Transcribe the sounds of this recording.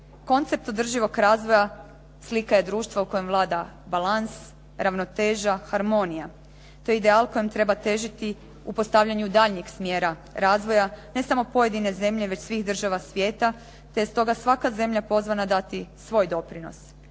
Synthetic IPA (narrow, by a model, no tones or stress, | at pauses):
ko̞nt̪se̞p̚t̪o̞d̪r̩ʒiʋo̞ɡɾaːzʋo̞ja | slikaje̞d̪ɾuːʃt̪ʋauko̞jemʋlˠaːd̪a | balans | ɾaʋnot̪e̞ːʒaxaɾmo̞nija | t̪o̞jeid̪e̞alˠko̞jemt̪ɾe̞bat̪e̞ʒit̪i | upo̞st̪aʋʎaɲud̪aːʎɲiksmjeːɾaɾaːzʋo̞jane̞samo̞po̞je̞d̪ine̞ze̞mʎe̞ʋe̞t͡ɕsʋiɣd̪r̩ʒaʋasʋjeːt̪a | t̪e̞jest̪o̞ɡasʋakaze̞mʎapo̞zʋanad̪at̪isʋo̞ːjd̪o̞pɾino̞̰s